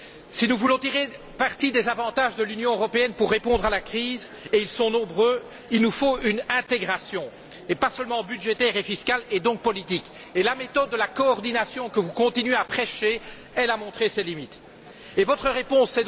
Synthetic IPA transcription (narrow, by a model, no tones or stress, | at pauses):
sinuvulɔ̃t̪iʁe | paʁt̪id̪ezavɑ̃t̪aʒd̪əlynjɔ̃øʁɔpeɛnpuʁːepɔ̃d̪ʁalakχiːz | eilsɔ̃nɔ̃bʁøː | ilnufoynɛ̃t̪eɡʁasjɔ̃ | epasœlmɑ̃byd̪ʒet̪ɛʁefiskalɛd̪ɔ̃k̚pɔlit̪ik | elamet̪ɔd̪̚ːəlakɔːʁd̪inasjɔ̃kəvukɔ̃t̪inɥeapχɛʃe | ɛlamɔ̃t̪χesɛlimit̪ | evɔt̪χəʁepɔ̃sːɛ